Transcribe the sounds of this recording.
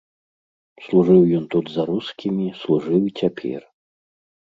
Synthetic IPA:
slˠuʐɨwjɔnt̪ud̪zɐɾuskʲimʲislˠuʐɨwit͡sʲapʲʰɛ̰r

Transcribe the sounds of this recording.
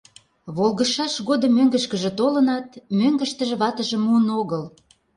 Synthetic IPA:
βolɣə̆ʃɑʃɣod̪əmøŋɡə̆ʃkə̆ʒĕt̪olə̆nɑt̪̚møŋɡə̆ʃt̪ə̆ʒĕβɑt̪ə̆ʒə̆munoɣɤl

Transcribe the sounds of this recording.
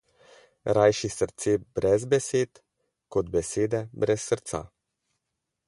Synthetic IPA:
ɾajʃisəɾt̪seːbɾɛzbɛseːt̪ | kɔd̪bɛseːd̪ɛbɾɛsːəɾt̪sa̰

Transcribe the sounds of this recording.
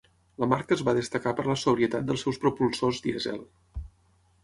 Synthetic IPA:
ləmaɾkəːzβaðəst̪əkapəɾləsuβɾiət̪at̪̚d̪əlˠsɛwspɾupulˠsozd̪iəzɛ̰lˠ

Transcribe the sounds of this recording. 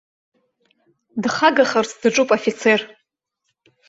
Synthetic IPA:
dχaɡaχərt͡sʰdɨʈ͡ʂʼupʼofit͡sʰer

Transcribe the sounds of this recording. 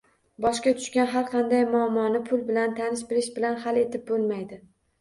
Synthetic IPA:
bɒʃkʲat̪ʰʊ̥ʃkʲanɦaɾqʰɑnd̪ajmʊamːɒnɪpʰʊlˠbɪlant̪ʰanɪʃbɪlɪʃbɪlanhale̞t̪ʰɪp̚bolˠmajd̪ɪ

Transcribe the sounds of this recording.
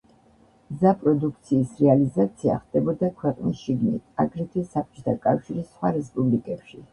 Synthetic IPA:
mzapʼɾɔd̪uk̚ʰt̪sʰiːsɾɛalizat̪sʰia̰χd̪ɛbɔd̪akʰwɛqʼnisʃiɡnḭt̪ʰa̰ɡɾit̪ʰɛsap̚t͡ʃʼɔ̥t̪ʰakʼafʃiɾisχwaɾɛspʼublikʼɛpʃi

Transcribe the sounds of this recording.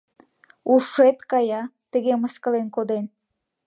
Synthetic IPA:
uʃet̪kɑjɑt̪əɣeməskəlenkod̪en

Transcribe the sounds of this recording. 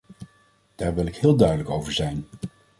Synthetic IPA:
d̥aːɹʋɪlˠɪkhɪːlˠdœɥdələkowvəɹzɛjn

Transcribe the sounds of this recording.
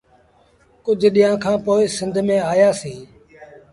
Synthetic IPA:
kʊd͡ʒʱɗiːjãːkʰãːpoːɪsɪ̃nd̪ʱmẽːaːjaːsiː

